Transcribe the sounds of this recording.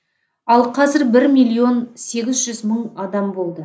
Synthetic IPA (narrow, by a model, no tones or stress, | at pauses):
ɑlˠqʰɑzɪɾbɪɾmʲijlʲˠio̞nse̞ɡʲɪzʒʏzməɴɑd̪ɑmbo̞lˠd̪ə